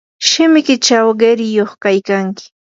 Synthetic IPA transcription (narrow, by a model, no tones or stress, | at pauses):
ʃɪmɪkɪt͡ʃawɢeɾɪjoχkajkaŋkɪ̥